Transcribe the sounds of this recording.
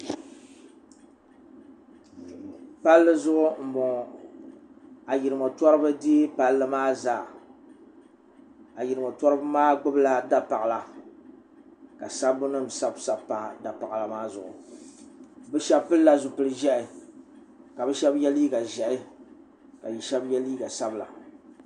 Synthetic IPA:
pa˦lːɨ˦zʊ˦ʔʊ˦m̩˨bɔ˨ŋ˨ | a˨ji˨ɾɨ˨mo˨twɔ˦ɾɨ˦bɨ˦di˦pa˨lːɨ˦maː˦zaː˨ | a˨ji˨ɾɨ˨mo˨tɔa˦ɾɨ˦bɨ˦maː˦ɡ͡bʊ˦bla˦da˦pa˨la˨ | ka˨sa˦bʊ˦nɨ˦m˨sa˦bsa˦bpa˨da˨pa˨la˨maː˦zʊ˨ʔʊ̰˨ | bɨ˦ʃɛ˦bpɨ˦lla˦zʊ˨pɨ˦lɨ˦ʒɛ˦ʔɪ˨ | ka˨bɨ˦ʃɛ˦bjɛ˦liː˦ɡa˨ʒɛ˨ɪ˦ | ka˨ji˨ʃɛ˦bjɛ˦liː˦ɡa˨sa˦bla̰˨

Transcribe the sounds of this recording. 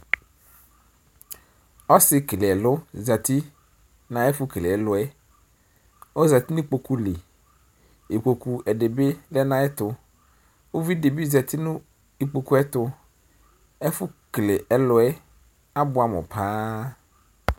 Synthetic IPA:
ɔ˦sɪ˦kle˨ɛ˨lʊ˦za˨t̪ʰi˦ | nã˨ɛ˦fʊ˦kle˨ɛ˨lʊ˨ɛ˦ | o˦za˨t̪i˦nʊ̃˦k͡po˨ku˦le˨ | e˨k͡po˨ku˨ɛ˨de˨be˦lɛ˦nã˦ɛ˦t̪ʊ˨ | wo˦vi˦de˨bi˦za˨t̪ʰɪ˦nʊ̃˦ | i˨k͡po˨ku˦ɛ˦t̪ʊ˦ | ɛ˦fʊ˦kle˨ʔɛ˦lʊ˨ɛ˦ | a˦bʊ˨a˨mʊ̰˨pʰãː˦

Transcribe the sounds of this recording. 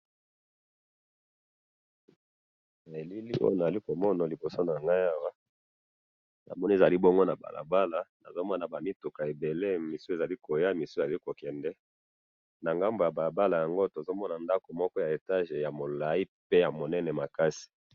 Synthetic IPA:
na˨e˨li˦li˦ʔo̰˦jo˦˨na˨a˨li˦ko˨mɔ˦na˨li˨bo˨so˦na˨ŋɡa˦ja˦wa˦ | na̰˨mɔ˦ni˦˨za˨li˦bɔ˦ŋɡo˦na˨ba̰˨lʔa̰˨ba˦la˨na̰˨zo˦mɔ˦na˨ba˨mi˦tu˨ka˨e˨be˨le˦mi˨su˦e˨za˨li˦ko˨ja˦mi˨su˦e˨za˨li˦ko˨kɛ˨ndɛ˦ | na˨ŋɡa˦mbo˨ja˨ba˨la˨ba˦la˨ja˨ŋɡo˦to˨zo˦mɔ˦na˨nda˦ko˨mɔ˦kɔ˦ja˨e˨ta˦ʒe˨ja˨mo˨la˨i˦pe˦ja˨mo˨nɛ˦nɛ˨ma˨ka˦si̥˨

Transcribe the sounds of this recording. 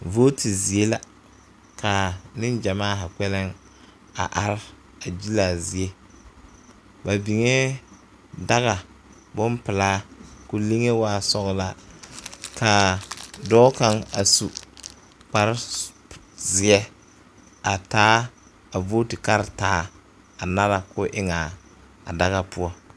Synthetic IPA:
vo˦tʰi˨zi˨e˦la˦ | kʰa˨nɪ˦nd͡ʒa˨maː˦ɦa˨k͡pɛ˦lɪ˦ŋ | a̰˨ʔa˦ɾɪ˦ | a˨d͡ʒi˦la˨zi˨e˦ | ba˨bi˨ŋe˦ | da˦ɣa˨ | bʊ˦npɪ˨laː˦kʊ˨le˦ŋe˦waː˦sɔ˦ɣla˦ | kʰa˨dɔː˦ka˦ŋa˨su˨ | k͡pa˨ɾ | zɪ˨ɛ˦ | a˨taː˦ | a˨vo˦tɪ˨ka˦ɾtaː˨˦ | a˨na˦la˦kʊ˦ʔɪ˦ŋa˨ | a̰˨da˦ɣa˦pʊ˦ɔ˦

